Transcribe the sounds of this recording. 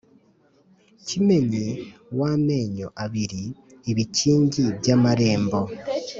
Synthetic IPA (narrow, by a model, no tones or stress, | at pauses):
cime̞ɲe̞waːme̞ːɲo̞̰ʔaβiɾi | eβiciːɲɟiβjaːmaɾe̞ːmbo̞